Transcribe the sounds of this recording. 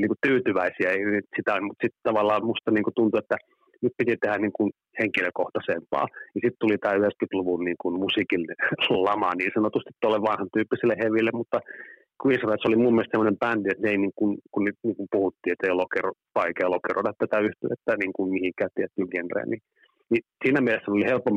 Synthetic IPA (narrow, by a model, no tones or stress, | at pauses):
niːŋkutt̪yːt̪yʋæisiæenyt̪sit̪æolʲmut̪sit̪t̪ɑʋɑlːɑːmust̪ɑniːŋkut̪unt̪uet̪ːæ | nyt̪̚pit̪it̪ehæniːŋkun | heŋkiløkoht̪ɑsempɑ̰ːjɑsit̪t̪ulit̪æːyheskyt̪luʋunniːŋkunmusikinlɑmɑniːnsɑnot̪ust̪it̪t̪uolːeʋʋɑnhɑnt̪yːpːisilːeheʋilːemmut̪ːɑ | kwinsresolimummielst̪semːonempæːnt̪iet̪neˑiniŋkunkunnyt̪niːŋkumpuhut̪ːiːet̪ːeiolokeropɑikeolokerodɑt̪t̪æt̪æyht̪eʋet̪ːæniːŋkunmihiŋkæːt̪t̪ːiet̪ːyːŋkenrḛːnni | nisiːnæmielesːænolihelpːom